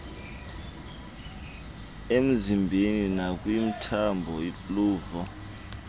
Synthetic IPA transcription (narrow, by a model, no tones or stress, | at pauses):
em̩zimbʱeninak̬ʼwim̩tʰambʱɔipʼluːvɔ